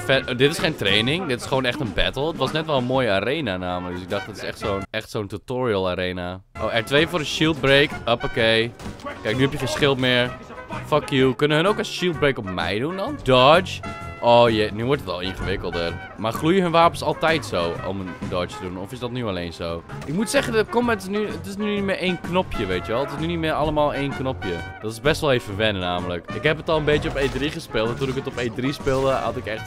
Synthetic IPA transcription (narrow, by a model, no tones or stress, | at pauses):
fɛdɪtɪsχeːntreːnɪŋdɪtɪ̥sχəʋoːnɛxtənbɛtl̩ˠətʋɔsnɛtʋɛlˠənmoːjəaɾeːnanaːmələkd̥əsɪɡ̚dɑχtɪtɪ̥sɛ̰xtsoːnɛxtsoːntutoːɹiəlˠaɾeːna | ʔo̰ːɛɹtʋeːəfoːɾəʃilˠt̚breːkɔpokejkɛɪjk̚nyhɛpjəxeːnsχɪlˠtmɪːəɹ | fɔkjukønəəɦənoːksʃilˠt̚breːkɔpmɛ̰jdundɔndɔɹt͡ʃʔoːjɛnyʋɔɹtətɔ̰lˠɪnχəʋɪkəlˠdər | marχlujəɦənʋaːpənsɑlˠtɛjtsowɔ̰məndɔɹt͡ʃtədunɔfɪsdɔtnyaleːnsoː | ʔɪkmutsɛχəndətkomtɪsnyətɪsnyynitmɪʔeːnknɔpʰjəʋeːtjəʋɛlˠətɪsnynitmɪːɹalˠəmaːlˠeːnknɔpjədɔtɪzbɛstʋɔlˠeːvəʋɛnna̰ːmələkɪkɦɛpətɔlˠənbejjəɔpeːdriχəspɪlˠttunɪkətɔpeːdrispɪlˠdəa̰tɪkɛχt